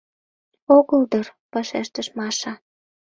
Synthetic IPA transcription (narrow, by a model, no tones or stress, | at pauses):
oɣəld̪ɤrpɑʃeʃt̪əʃmɑʃɑ